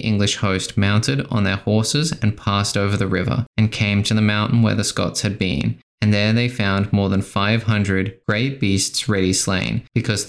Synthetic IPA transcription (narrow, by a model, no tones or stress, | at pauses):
ʔɪ̰̃ŋɡlɨʃhoʊst̚mãʊ̃ntʰɨɾn̩ðə˞hɔɹsɨzɨ̃npʰæstoʊvə˞ðɨɹɪvə̰˞ɨ̃nkʰẽɪ̃mtʰɨðɨmãʊ̃nʔn̩wə̰˞ðɨskɑ̰tshɨd̚bḭ̃n | ɨ̃nðə˞ðeɪfãʊ̃nmɔɹðə̃nfaɪv̥ɦʌ̃ndɹɨd̚ɡ̥ɹeɪt̚b̥istsɹɛɾislḛ̃ɪ̃nb̥ɨkʰʌz